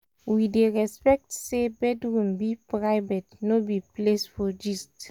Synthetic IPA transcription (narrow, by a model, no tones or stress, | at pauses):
wideɹɛspɛk̚tsebɛdɹũmbipɹaɪvɛtnobiplesfɔd͡ʒist